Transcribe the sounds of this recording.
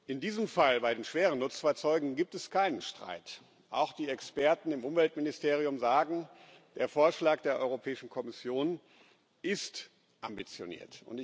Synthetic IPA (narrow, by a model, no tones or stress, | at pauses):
ʔɪndiːzəmfalbaɪdeːnʃv̥eːʁ̞ənːʊt͡sfaɐt͡sɔʏɡŋ̩ɡiːp̚tɛskʰaɪnənʃtʁ̥a̰ɪt | ʔa̰ʊxd̥iːɛkspɛɐtn̩ɪmʔʊmvɛltmɪnɪsteːʁ̞iʊmzaːɡŋ̩ | d̥eːɐfoːɐʃlaːkd̥eːɐʔɔʏʁ̞opʰɛːɪʃn̩kʰɔmɪsjoːn | ʔɪst | ʔambit͡sjo̰nḭːɐtʊ̰ntɪ